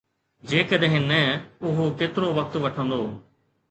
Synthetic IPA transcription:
d͡ʒeːkəd̪eɦɪnːɛ̃ːʊɦokeːt̪ɾoʋək̚t̪ʋəʈʰõːnd̪oː

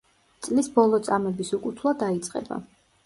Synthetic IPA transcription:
t̪sʼlisbɔlˠɔt̪sʼamɛbisukʼut̪ʰlˠad̪ait̪sʼqʼɛ̰ba̰

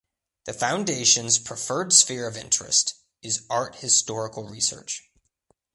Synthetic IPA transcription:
ðɨfãʊ̃ndeɪʃɨ̃nz̥pʰɹ̥ɨfɜ˞dsfɪɹʌvɪ̰̃nt͡ʃɹ̥ɨ̰st | ɨzɑɹt̚hɨstɔɹəkl̩ˠɹisɜ̰˞t͡ʃ

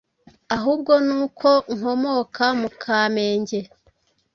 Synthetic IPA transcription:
aɦuːbɡo̞nuːkʰo̞ŋ̥ho̞mo̞kʰamukʰaːme̞ːɲɟe̞

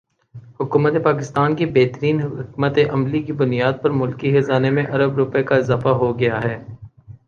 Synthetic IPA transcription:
hʊkuːmət̪epaːk̬ɪst̪aːnkibeɦt̪əɾiːnɦɦɪkmət̪eʔɐmlikibʊnijaːd̪̚pɐɾmʊlkixesaːnemẽʔɐɾəbɾʊpekaɪzaːfaɦoɡɐjaɦɛː

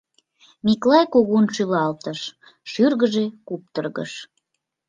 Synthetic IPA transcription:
miklɑjkoɣunʃylɑlt̪əʃ | ʃyrɣəʒekup̚t̪ərɣə̰ʃ

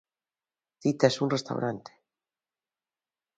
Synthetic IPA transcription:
θit̪asunrest̪a̰wɾant̪e̥

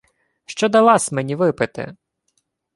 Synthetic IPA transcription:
ʃt͡ʃɔd̪ɐlˠɑsʲmɛnʲiʋɪpɪt̪ɪ̰

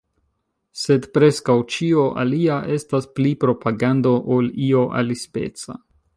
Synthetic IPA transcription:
se̞dpɾe̞skawt͡ʃio̞ʔa̰liaʔe̞stasplipɾo̞pʰaɡando̞ʔolio̞ʔa̰lispe̞̰t͡sa̰

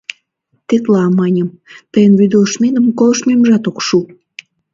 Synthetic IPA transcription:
t̪et̪lɑmɑnʲəm | t̪əjənβyd̪olʃmenəmkoləʃmeməʒɑt̪okʃu

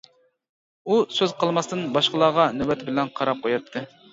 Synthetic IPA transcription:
usøzqʰəlˠmɑst̪ɨnbɑʃqəlˠɑːʁɑnywɛt̪ʰɪbɪlɛnqʰɑɾɑp̚qʰojɑt̪ʰːɨ

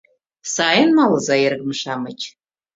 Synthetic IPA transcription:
saːjənmalzajɪrɡmʂamat͡ʃʰʼ

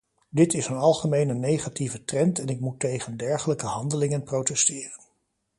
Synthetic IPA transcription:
dɪtɪsənɑlˠχəmejnənːejχativətrɛntɛnɪk̚mutːejχəndɛɹχələkəɦɑndəlɪŋənprowtɛstɪːrən

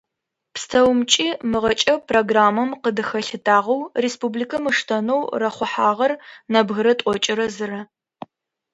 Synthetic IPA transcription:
pstʰɐwmt͡ʃʼiːmɨʁɐt͡ʃʼɐpʰroɡraːmɐmqədɨxɐɬɨtʰʼaːʁɐwrespublikʰɐmɨʂtʰɐnowrɐχʷʊħaːʁɐrnɐbɣɨɾɐtʼɔt͡ʃʼɪɾɐzɨrɐ

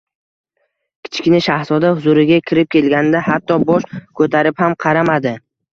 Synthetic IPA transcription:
kʲʰɪ̥t͡ʃʰkʲnɪʃahzɒd̪ahʊzuɾɪɡʲakʲʰɪɾɪp̚kʲʰe̞lɡʲanɪd̪ahat̪ːɒbɒʃkʰɵt̪ʰaɾɪphamqʰɑɾamad̪ɪ

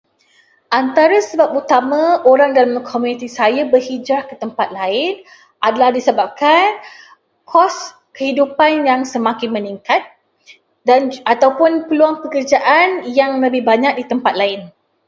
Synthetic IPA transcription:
ʔant̪aɾasəbap̚ut̪amãoɾaŋdalammkʰomũnit̪isajabərhid͡ʒɾahkət̪əmpat̪̚laɪn | ʔadalahdisəbap̚kan | kʰɔs | kəhidupanjaŋsəmãkɪnmə̃niŋkat̪̚ | danat̪awpʊnpəluaŋpəkərd͡ʒaʔanjaŋləbɪhbaɲak̚dit̪əmpat̪̚laɪn

